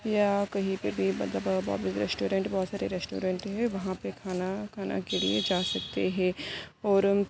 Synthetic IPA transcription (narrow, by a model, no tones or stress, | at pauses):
jakɐɦĩpebʱibɐɐbba̰ːbɪsɾɛːsʈoːɾẽɳʈbɔɦːt̪saːɾeɾɛːsʈo̰ːɾẽɳʈɦɛ̃ʋɐɦãpekʰaːnakʰaːna̰kelḭed͡ʒaːsɐk̚t̪eɦɛ̃ːɔːɾ